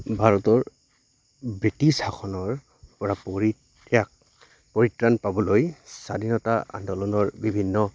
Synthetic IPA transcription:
bʱaɹɔtɔɹ | bɹitishaxʰɔnɔɹ | pɔɹapi | ak | pɔɹitɹanpabɔlojsadinɔtaa̰ndɔlɔnɔɹbibʱinːɔ

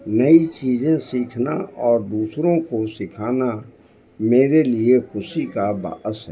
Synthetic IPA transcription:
nɐit͡ʃiːzẽsiːkʰnaɔːɾd̪uːsɾõkosɪkʰaːna | meːɾeliexʊʃikaba̰ːʔəsɦɛː

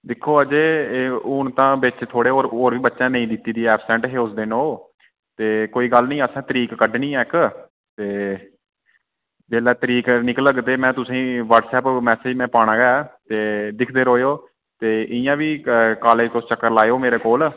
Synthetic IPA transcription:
d̪ɪkʰːoːəd͡ʒeːʊnt̪ãːbɪt͡ʃt̪ʰoːɽeːoːɾoːɾʋiːbətːʃãːnəĩːd̪ɪt̪ːiːd̪iːɛːpʰsɛ̃ɳʈɦeːʊsd̪ɪnoː | t̪eːkoːiːɡəlnĩːəsãːt̪əɾiːkːəɖnĩːɛːk | t̪eː | beːlɛːt̪əɾiːknɪkləɡt̪eːmɛ̃ːt̪ʊsĩːʋəɾʈsɛːpmɛːseːd͡ʒmɛ̃ːpaːɽ̃ãːɡɛt̪eːd̪ɪkʰd̪eːɾoːjoː | t̪eːʔɪjãːʋiːkaːleːt̪ost͡ʃəkːəɾlaːeoːmeːɾeːkoːl

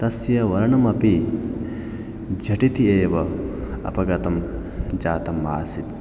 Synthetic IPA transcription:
t̪ɐsjɐʋɐɾɐɳɐmɐpi | d͡ʒʱɐʈit̪ieːʋɐɐ̰pɐɡɐt̪ɐm | d͡ʒaːt̪ɐmːaːsit̪

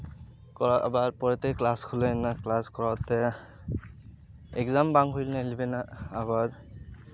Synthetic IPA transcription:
kɔɹaa̰baɹpɔɹɛtɛklaskʰulɛnaklaskɔɹatɛ | ɛkzambaŋɦujlnalibɛnaːβaɹ

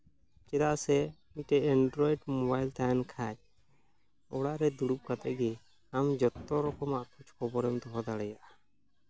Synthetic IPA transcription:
kɛɾaʔsɛ | iʈɛɛɳɖɾɔiɖmɔbajlt̪ajnkʰat͡ʃ̚ | ɔɽaʔɾɛd̪uɽup̚kat̪ɛʔɡɛ | amd͡ʒɔt̪ːɔɾɔkɔmaʔkʰut͡ʃʰkʰɔbɔɾɛmt̪ɔɦɔd̪aɽɛjaʔa

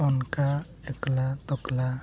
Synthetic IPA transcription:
ɔnka | ɛklat̪ɔkla

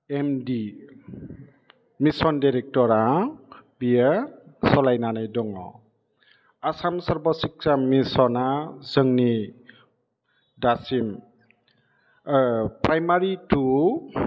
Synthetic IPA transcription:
emdi | misɔndajɾɛk̚tɔɾa | biasɔlajnanajdɔŋɔ̰ | asamsɔɹbɔsiksamisɔnazəŋni | dasim | pɹajmaɹitu

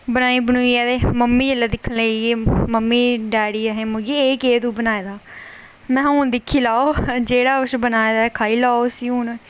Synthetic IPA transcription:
bənaːiːbənuiːɛːd̪eːməmːiːelːaːd̪ɪkʰːnleeːməmːiːɖɛːɽiːɛɦẽːmʊɡiːeːkeːt̪ũːbənaːeːd̪aː | mɛ̃ːɦd̪ɪkʰːiːlaːoːd͡ʒeːɽaːʊsbənaːeːd̪aːkʰaːiːlaːosiːun

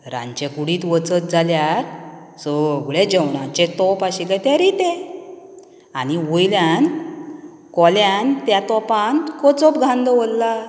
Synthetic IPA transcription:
ɾã̰ɲt͡ɕekuɽiːt̪ʋət͡sət̪̚d͡zʱaljaɾ | sɔɡɭẽd͡ʑəwɳat͡ɕet̪ɔpaɕikajt̪aɾit̪ẽ | añiʋojljan | kɔljant̪jat̪ɔpankɔt͡sɔpɡʱãnd̪əʋɔlːa

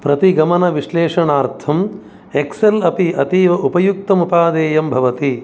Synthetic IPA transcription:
pɾɐt̪iɡɐmɐnɐʋiʃleːʂɐɳaːɾt̪ʰɐm | ekselɐpiɐt̪iːʋɐʔupɐjuk̚t̪ɐmupaːd̪eːjɐmbʱɐʋɐt̪i

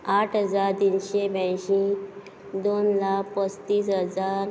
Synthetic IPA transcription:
aʈʰɦəd͡zaɾt̪inɕebɛ̃ɕĩ | d̪onlakpəst̪iːsɦəd͡zaɾ

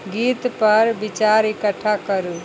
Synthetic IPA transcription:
ɡiːt̪pəɾbit͡ʃaɾɪkəʈʰːakəɾu

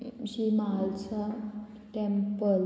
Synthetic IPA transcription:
ɕimaalt͡sa | ʈempəl

